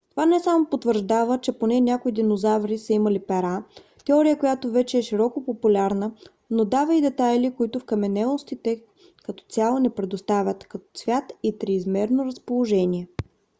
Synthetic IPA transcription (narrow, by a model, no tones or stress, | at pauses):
t̪ovanɛsamopot̪vəɾʒd̪avət͡ʃɛponɛnʲakoid̪inozavɾisəiməlipɛɾa | t̪ɛɔɾijəkojat̪ovɛt͡ʃɛɛʃiɾɔkopopulʲaɾnə | nod̪avəid̪ɛt̪ajlikoit̪ʊfkɐmɛnɛlˠost̪it̪ɛ | kɐt̪ɔ̥t̪sʲjalˠənɛpɾɛd̪ʊst̪avʲət̪kɐt̪ɔ̥t̪svʲjat̪it̪ɾiːzmɛɾnoɾɐspolˠoʒɛniɛ